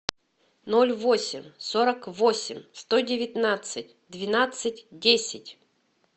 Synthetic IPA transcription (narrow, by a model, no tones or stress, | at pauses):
nolʲvosʲɪmʲsoɾəkvosʲɪmʲst̪odʲɪvʲɪt̪nat̪sɨtʲd̪vʲɪnat̪sɨtʲdʲesʲɪtʲ